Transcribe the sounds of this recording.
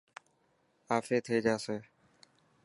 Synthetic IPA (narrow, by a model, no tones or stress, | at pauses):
aːfeːt̪ʰeːd͡ʒaːseː